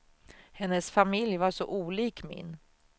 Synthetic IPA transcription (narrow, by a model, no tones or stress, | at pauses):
hɛnːəsfamɪljvaʂɔ̰ʔuːliːkmɪ̰n